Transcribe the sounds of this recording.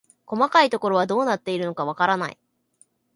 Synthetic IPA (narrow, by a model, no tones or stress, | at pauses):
ko̞makait̪o̞ko̞ɾo̞βad̪o̞ːnat̪ːe̞iɾɯ̟no̞kaβ̞akaɾanaḭ